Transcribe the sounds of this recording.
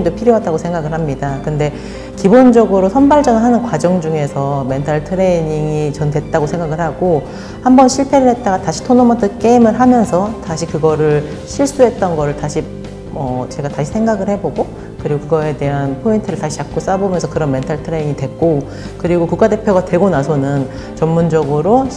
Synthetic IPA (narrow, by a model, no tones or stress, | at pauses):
ŋdopʰiɾjoɦataɡosʰe̞ŋɡaɡɯɭɦhamɲidakɯnde̞ | kibond͡ʑʌɡɯɾosʰʌnbaɭd͡ʑʌnɯɦanɯnkwad͡ʑʌŋd͡ʑuŋe̞sʰʌme̞ntʰaɭtʰɯɾe̞iɲiŋit͡ɕʌnde̞t̚t͈aɡosʰe̞ŋɡaɡɯɭɦhaɡo | hambʌnɕʰiɭpʰe̞ɾɯɭɦe̞t̚t͈aɡataɕʰi̥tʰonomʌtʰɯk͈e̞imɯɭɦamjʌnsʰʌtaɕʰikɯɡʌɾɯɭɕʰiɭs͈uɦe̞t̚t͈ʌnɡʌɾɯɭtaɕʰi | mʌt͡ɕe̞ɡataɕʰi̥sʰe̞ŋɡaɡɯɭhe̞boɡo | kɯɾiɡokɯɡʌe̞de̞ɦanpʰointʰɯɾɯɭtaɕʰi̥t͡ɕak̚k͈os͈abomjʌnsʰʌkɯɾʌnme̞ntʰaɭtʰɯɾeiŋitwe̞k̚k͈o | kɯɾiɡokuk͈ate̞pʰjoɡatwe̞ɡonasʰʌnɯn | t͡ɕʌmmund͡ʑʌɡɯɾo